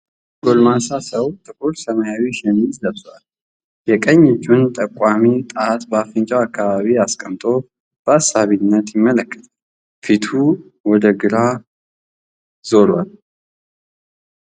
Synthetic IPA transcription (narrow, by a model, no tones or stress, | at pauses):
ɡolmasasəwt̪ʰɨkʰoɾsəmajawiʃɪnzzəβsʼwal | jɛkʼəɲːɪt͡ʃːunt̪ʼəkʼːamit̪ʼəat̪bəafɨnt͡ʃʼawakːaβaβiaskʼəmt̪ʼo̞ | b̥əasːaβinːət̪jɪmːələkːə̥t̪ʼ | fit̪ʰu | wɔd̪əɡɨɾa | zo̞ɾwal